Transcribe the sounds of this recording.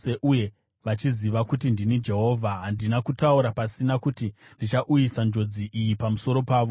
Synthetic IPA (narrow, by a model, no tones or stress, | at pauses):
eʔuje̞ | ʋat͡ʃiziʋakutindinid͡ʒe̞ɦo̞ːvʱaɦandinakutauɾapasinakutindit͡ʃaʔujisand͡ʒo̞d͡ziʔijipamuso̞ɾo̞paːʋo̞